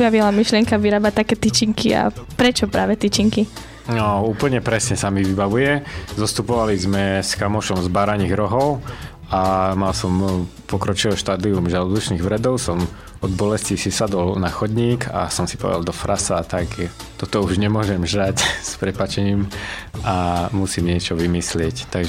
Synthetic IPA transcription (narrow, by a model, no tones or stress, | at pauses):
bjaʋilamiʃlɪɛŋkaʋiɾaːbat̪akɛːt̪it͡ʃiŋkia̰pɾɛt͡ʃɔpɾaːʋɛt̪it͡ʃiŋki | nɔuːpl̩ɲɛpɾɛsɲɛsamiʋibaʋujɛzɔst̪upɔʋalizmɛskamɔʃɔmzbaɾaɲiːɣɾɔɦɔʊ | amalsɔmpɔkɾɔt͡ʃilɛʃt̪aːd̪iumʒalɔd̪uʃniːɣʋɾɛd̪ɔʊsɔm | ɔd̪bɔlɛscisisad̪ɔlnaxɔd̪ɲiːkʰa̰sɔmsi̥pɔ̰ʋ̰ɛd̪a̰ld̪ɔfɾʔasat̪aɡt̪ɔt̪ɔuʒɲɛmʊɔʒɛmʒɾacspɾɛpat͡ʃɛɲiːmamusiːmɲɪɛt͡ʃɔʋimislɪɛct̪aɡʒɛ